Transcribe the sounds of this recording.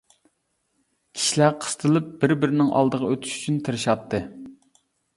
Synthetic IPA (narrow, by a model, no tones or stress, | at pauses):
kʲʰi̥ʃilæɾqʰə̥st̪ʰɨlˠɨp̚b̥ɪɾbɪɾɪnɪŋʔɑ̰lˠd̪əʁɑøt̪ʰy̥ʃy̥t͡ʃʰynt̪ʰɨɾɨʃɑt̪ːɨ